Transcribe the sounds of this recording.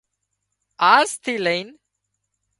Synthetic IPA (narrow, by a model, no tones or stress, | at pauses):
aːɾst̪ʰileɪn